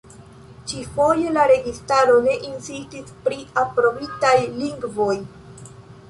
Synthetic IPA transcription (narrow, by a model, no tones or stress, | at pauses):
t͡ʃifo̞je̞laɾe̞ɡistaɾo̞ne̞ʔinsistispɾiapɾo̞bitajliŋɡvo̞j